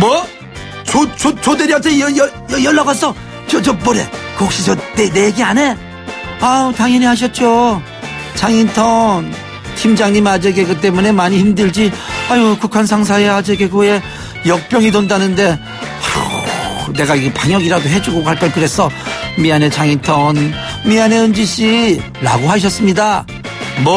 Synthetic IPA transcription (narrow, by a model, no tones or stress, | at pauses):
mʌ | t͡ɕot͡ɕot͡ɕodeɾiatʰejʌjʌjʌjʌɭːaɡasʰʌ | t͡ɕʌt͡ɕʌpʌɾe̞̰kok̚ɕ͈id͡ʑʌneneɡiane̞ | ataŋjʌɲiɦaɕ̬ʰʌt̚t͡ɕ͈o | t͡ɕaŋintʰʌn | tʰimd͡ʑaŋɲimad͡ʑeɡe̞ɡɯt͈e̞mune̞maɲihimdɯɭd͡ʑiaiokukʰans̬ʰaŋs̬ʰaead͡ʑe̞ɡe̞ɡoe̞ | jʌk̚p͈jʌŋidondanɯnde̞ | a | ne̞ɡaiɡepaŋjʌɡiɾadoɦe̞d͡ʑuɡokaɭk͈ankɯɾe̞sʰʌmiane̞t͡ɕaŋintʰʌn | miane̞ɯnd͡ʑiɕ͈i | ɾa̰ɡoɦaɕ̬ʰʌs͈ɯmɲida | mʌ